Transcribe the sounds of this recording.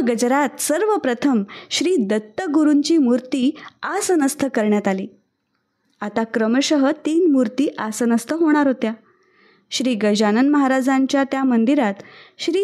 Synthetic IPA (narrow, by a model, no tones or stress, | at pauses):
ɡəd͡ʑɾat̪səɾʋəpɾət̪ʰəmɕɾiːd̪ət̪ːəɡuɾuɲt͡ɕiːmuɾt̪iːasənəst̪ʰəkəɾɳjat̪alḭː | at̪akɾəməɕəɦət̪iːnmuɾt̪iːʔasənəst̪ʰəɦoɽ̃aɾɦot̪ja | ɕɾiːɡəd͡ʑanənməɦaɾad͡zaɲt͡ɕjat̪jamənd̪iɾat̪ɕɾiː